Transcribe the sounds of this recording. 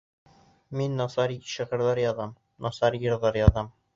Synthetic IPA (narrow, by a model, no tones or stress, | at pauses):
minːɒsɑɾɕĭʁɤ̆ɾðˠɑɾjɑðɑm | nɒsɑɾjɤ̆ɾðɑɾjɑðɑm